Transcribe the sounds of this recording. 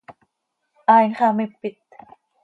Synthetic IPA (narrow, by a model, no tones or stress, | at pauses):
ʔaːjnkʰamajpit̪̚